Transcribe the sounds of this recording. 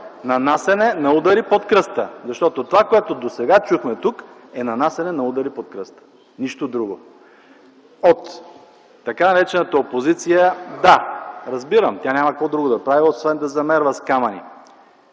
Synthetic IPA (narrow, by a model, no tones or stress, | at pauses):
nɐnasɛnɛnɐud̪ɐɾipot̪kɾɤst̪əzɐʃt̪ɔt̪ot̪ovakoɛt̪od̪osɛɡat͡ʃuxmɛt̪uk | ɛnɐnasɛnɛnɐud̪ɐɾipot̪̚kɾəst̪ə̥ | niʃt̪od̪ɾuɡo | ot̪ː | ɐkanɐɾɛt͡ʃɛnət̪ɐopozit̪sijəd̪aɾɐzbiɾəmt̪ʲjanʲamɐkɐkvɔd̪ɾuɡod̪ɐpɾaviosvɛnd̪ɐzɐmɛɾvəskamɐnḭ